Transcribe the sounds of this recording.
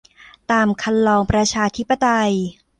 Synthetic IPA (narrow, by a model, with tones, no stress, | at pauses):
t̪aː˧mkʰa˧nlɔː˧ŋpɾa˧t͡ɕʰaː˧t̪ʰi˦˥pːa˧t̪a˧j